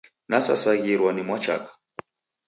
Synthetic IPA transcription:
nasa̰saɣiɾwanimwat͡ʃa̰kḁ

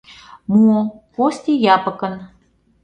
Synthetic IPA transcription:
muokosʲt̪ʲijɑpɤ̆kɤ̆n

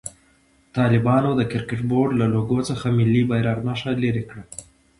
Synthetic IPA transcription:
t̪ɑlɪbɑnod̪əkɪɾkɪʈboɾɖlaloɡot͡səxamɪlːibajɾɑɾnɑʂaleɾekɽa

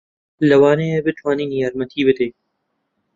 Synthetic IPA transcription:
lɐwaːneebɪt̪ʰwaːniːnijaːɾmɐt̪ʰiːbɪd̪eː

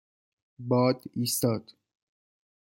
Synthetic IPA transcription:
bɒːd̪iːst̪ɒːd̪̥

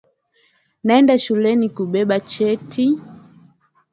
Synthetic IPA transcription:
naɛndaʃulɛnikuɓɛɓat͡ʃɛtʰi

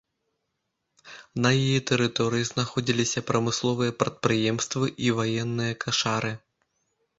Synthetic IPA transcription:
nɐjijɛt̪ɛɾɨt̪ɔɾɨjiznaxɔd͡zʲilʲisʲɐpɾɐmɨslˠɔvɨjɐpɾɐt̪̚pɾɨjɛmst̪vɨʔivajɛnːɨjɐkʰaʂaɾɨ

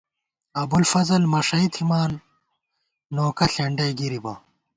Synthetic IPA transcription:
ɐbulfɐzɐlmɐʂɐit̪ʰimaːn | oːkɐɬeɳɖɐjɡiɾibɐ

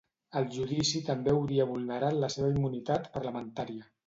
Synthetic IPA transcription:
əlˠʒuðisit̪əmbewɾiəβulˠnəɾat̪ləseβ̞əimːunit̪at̪pəɾləmənt̪aɾiə

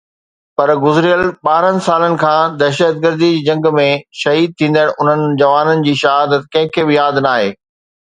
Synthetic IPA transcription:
pɐɾɡʊzɪɾijəlɓaːɾənɪ̆saːlənɪ̆kʰãːd̪ɛːʃət̪̚ɡəɾd̪id͡ʑid͡ʑɐ̃ŋɡmẽʃɐɦiːd̪̚t̪ʰĩːnd̪aːɽʔʊn̤ənɪ̆d͡ʑɐʋaːnənɪ̆d͡ʑiːʃɐɦaːd̪ət̪kɐ̃ɦɪ̃kʰeːbɪjaːd̪naːɦeː

